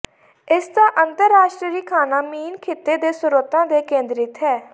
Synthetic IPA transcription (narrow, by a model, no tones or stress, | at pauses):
ɪsd̪ãːʔənt̪əɾːaːʃʈɾɾiːkʰaːnaːmiːnkʰeːt̪eːd̪eːsʊɾot̪ãːd̪eːkẽːnd̪ɾɪt̪ɦɛː